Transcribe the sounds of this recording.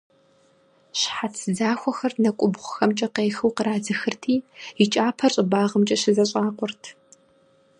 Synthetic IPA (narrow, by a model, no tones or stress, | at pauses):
ɕħat͡sʰɨzaːxʷɔxɐrnɐkʷʼʊbʁʷʊxɐmt͡ʃʼɐqeːxɨwqəɾaːzɨxɨrtʰiːit͡ʃʼaːpʰɐrɕʼɪbaːʁəmt͡ʃʼɐɕɪzɐɕʼaːqʷʊrtʰ